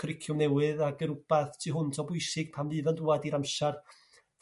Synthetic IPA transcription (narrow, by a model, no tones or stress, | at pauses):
kʰrɪkʰjʊmnɛwɨðaɡəɾʊb̥aθtʰɨːɦʊntʰɔbʊjsɪɡ̥̚pʰamvɨːvənduːadiɾamʃar